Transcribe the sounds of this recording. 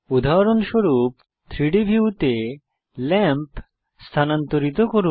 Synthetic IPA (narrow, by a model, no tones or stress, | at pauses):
ud̪ʱaɾonʃoɾup | t̪ʰɾiɖibʱiut̪e | lɛmp | st̪ʰanant̪oɾit̪okoɾu